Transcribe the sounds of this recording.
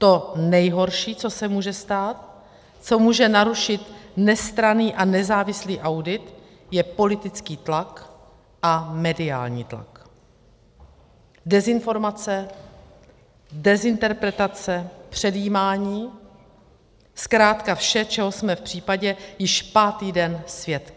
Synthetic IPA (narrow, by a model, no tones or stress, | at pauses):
t̪o̞nɛjɦo̞ɾʃiːt͡so̞sɛmuːʒɛst̪aːt̪̚ | t͡so̞muːʒɛnaɾuʃɪt̪nɛst̪ɾaniːʔanɛzaːvɪsliːʔawdɪt̪ | jɛpo̞lɪt̪ɪt͡skiːt̪lak | ʔamɛdɪa̰ːlɲḭːt̪la̰k | dɛzɪnfo̞ɾmat͡sɛ | dɛzɪnt̪ɛɾpɾɛt̪at͡sɛpr̝̥ɛdjiːmaːɲiː | skɾaːt̪kafʃɛt͡ʃɛɦosmɛfpr̝̥iːpaɟɛjɪʃpaːt̪iːdɛnsvjɛt̪